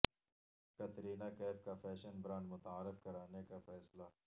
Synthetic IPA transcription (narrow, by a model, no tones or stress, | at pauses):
kɐt̪ɾiːnakɛːfkafɛːʃənbɾãːnmʊt̪aːɾɪfkɐɾaːnekafɛːslaː